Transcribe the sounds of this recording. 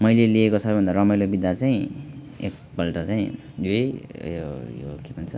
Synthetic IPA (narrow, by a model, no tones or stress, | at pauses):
mʌjleliekosʰʌbʌjbʱʌnd̪aɾʌmʌjlobid̪at͡saĩ | ḛk̚ | pʌlʈʌt͡saĩ | ḛjojokebʱʌnt͡sʰʌ